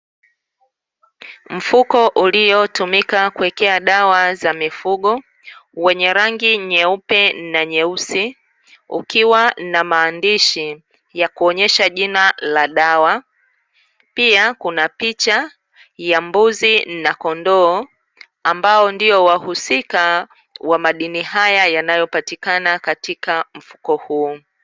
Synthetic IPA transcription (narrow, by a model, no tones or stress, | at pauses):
m̩fukɔʔulijɔtumikakwɛkɛaɗawazamifuɠɔ | wɛɲɛɾaŋɡiɲɛupɛnaɲɛusi | ṵkiwanamaːndiʃi | jakuɔɲɛʃaʄinalaɗawa | piakunapit͡ʃa | jambuzinakɔndɔː | ambaɔndiɔwahusika | wamaɗinihajajanajɔpatikanakatikam̩fu̥kɔhuː